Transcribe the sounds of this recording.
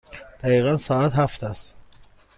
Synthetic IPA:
d̪̥æɣiːɣænsɒːæt̪hæft̪ʰæst̪

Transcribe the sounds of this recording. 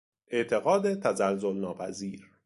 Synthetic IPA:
ʔe̞ʔt̪ʰe̞ɣɒːd̪et̪ʰæzælzolnɒːpʰæ̰ziːɾ

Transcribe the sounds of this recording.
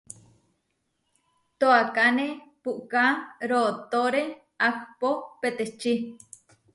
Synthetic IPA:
t̪oakanepuʔkaɾot̪oɾe | ak̚popet̪et͡ʃi

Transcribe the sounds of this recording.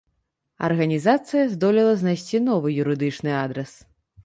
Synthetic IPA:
ɐ̰rɣɐnʲizat̪sɨjɐzd̪ɔlʲilˠɐznajsʲt͡sʲinɔvɨjuɾɨd̪ɨt͡ʂnɨad̪ɾɛs

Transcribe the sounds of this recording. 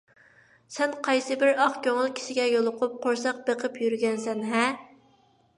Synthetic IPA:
sɛnqʰɑjsɨbɪɾɑχkʲʰøŋɪlˠkʲʰi̥ʃɪɡʲɛjolˠʊqʰʊp̚qʰoɾsɑq̚b̥eqʰəpjyɾɡʲɛnsɛnɦɛ

